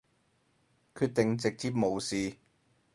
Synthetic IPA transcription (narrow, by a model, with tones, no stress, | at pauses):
kʰyː˧t̚t̪ɪ˨ŋt͡sɪ˨k̚t͡siː˧˥p̚mo˨˩wsiː˨˧